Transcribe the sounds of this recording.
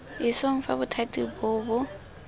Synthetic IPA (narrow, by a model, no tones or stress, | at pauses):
ɪsoŋ̩fa̰bʊtʰatʼibʊːbʊ